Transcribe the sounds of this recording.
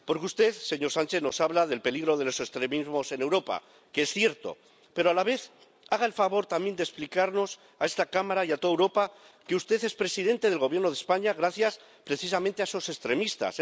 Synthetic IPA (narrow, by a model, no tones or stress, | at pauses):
po̞ɾkust̪e̞θse̞ɲo̞ɾsant͡ʃe̞θno̞saβlað̞e̞lpe̞liɣɾo̞ð̞e̞lo̞se̞st̪ɾe̞mizmo̞se̞ne̞wɾo̞pa̰ | keesθje̞ɾt̪o̞̰ | pe̞ɾoalaβe̞θ | aɣ̞ae̞lfaβo̞ɾt̪amje̞nd̪e̞splikaɾno̞s | ae̞st̪akamaɾajat̪o̞ðewɾo̞pa | ke̞ust̪e̞θe̞spɾe̞siðe̞nt̪e̞ðelɣo̞βjeno̞ð̞e̞spaɲaɣɾaθjas | pɾe̞θis̬amẽnt̪easose̞st̪ɾe̞mist̪a̰s